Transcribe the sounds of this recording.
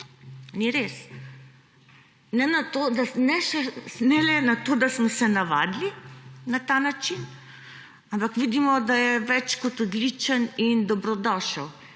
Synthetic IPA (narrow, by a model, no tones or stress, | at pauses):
niɾes | nɛnat̪od̪anɛʃɛnɛlɛnat̪oːd̪asmɔsɛnaʋa̰ːd̪linat̪anat͡ʃin | ampakʋid̪imɔd̪ajɛʋɛt͡ʃkɔt̪ɔd̪lit͡ʃənind̪ɔbɾɔd̪ɔʃəw